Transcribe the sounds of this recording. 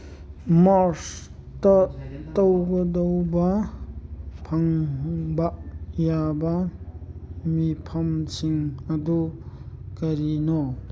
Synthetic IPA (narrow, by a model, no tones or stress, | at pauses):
maɾs | tɐtawɡɐdɐwbɐ | pʰɐŋbaʔjabɐ | mipʰɐmsiŋɐdu | kɐɾinɔ